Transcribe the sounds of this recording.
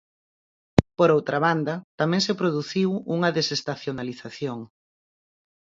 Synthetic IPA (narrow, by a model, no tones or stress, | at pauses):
poɾowt̪ɾaβ̞and̪ɐt̪amɛ̃ŋsepɾoðuθiwuŋɐðesest̪aθjonaliθaθjoŋ